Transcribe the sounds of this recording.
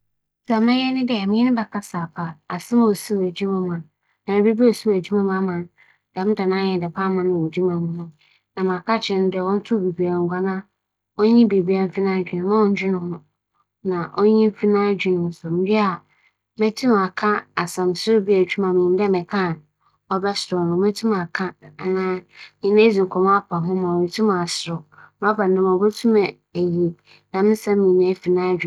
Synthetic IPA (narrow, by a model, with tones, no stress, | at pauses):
sa˨mɛ̃˦jɛ˦nɪ̃˦dɛ˦˨mɪ̃˦ɛ˦nʊ̃˦bɛ˨kʰa˦saː˨pʰa˨a˨sɪ˦m˦˨o˨si˦wæ˨d͡ʑi˦mã˦mã˨n | nã˨bi˦bi˦o˨su˦wæ˨d͡ʑi˦mã˦mã˦mã˨n | d̥ɛ˨m̩˦da˨nãː˦ɲɛ˨dɪ˨pʰa˦mã˨nʊ̃˦˨wɔ˨d͡ʑi˦mã˨mũ˦nʊ̃˦ | nã˨mã˨a˨kʰa˦t͡ɕʰɪ̃˦n˦dɛ˨wɔ̃˦n̩˦tʰʊ˦˨bi˨bi˨a˨ŋ˨ɡʷa˨nã˦ | ɔ˦ɲĩ˦be˨bɥa˨m˦fi˦nã˦d͡ʑᶣɪ˨nʊ̃˨˦mã˦wɔ̃˦n˦d͡ʑᶣɪ˦nʊ̃˦hʊ̃˦ | nã˨ʔɔ˦ɲĩ˦m˦fi˦nã˦d͡ʑᶣɪ˨nʊ̃˨n̩˦sʊ˨m̩˦ji˦a˨ | mɛ̃˦tʰũ˦m˨a˨kʰã˦a˨sã˨m˨sʊ˦bi˦ɛ˨t͡ɕʰᶣu˦mã˨mĩ˨n˦dɛ˦mɪ̃˨kʰã˦˨n | ɔ˦bɛ˦sɔ˨nʊ̃˨mɛ̃˦tʰũ˦m˨a˨kʰã˦˨nãː˦nĩ˨nẽ˦d͡zi˨kʰɔ̃˨m̃˦a˦pʰa˨ɦʊ̃˦mã˨i˨tʰũ˦mã˨a˨sɾɔ˨ñ˦a˦pa˨n˨nã˦mã˨bo˦tʰũ˦mɛ˨ | e˨ji˨ | nã˨mɪ̃˦sã˦mĩ˨nɛ̃˦fi˨nã˦d͡ʑᶣi˨